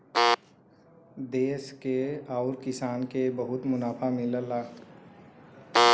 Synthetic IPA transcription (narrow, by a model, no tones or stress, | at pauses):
d̪eːskeaʊɾkɪsaːnkebəɦʊt̪mʊnaːpʰamɪləlaː